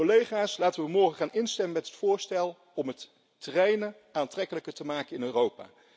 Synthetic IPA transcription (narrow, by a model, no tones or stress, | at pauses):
olejχaːslaːtəʋəmɔɹχəχaːnɪnstɛməmɛtɦətfʊːɹstɛlˠ | ɔmɦətː | ərejnə | aːntrɛkələkəɹtəmaːkənɪnøːrowpa̰ː